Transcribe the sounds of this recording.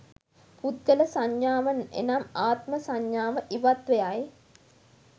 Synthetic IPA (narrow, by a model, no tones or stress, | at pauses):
pud̪̚ɡələsaɲjaːʋɐnḛnamaːt̪məsaɲːaːʋəʔiʋat̪ʋejaj